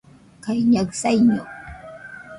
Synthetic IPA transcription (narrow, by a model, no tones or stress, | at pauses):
kajɲawsajɲʊ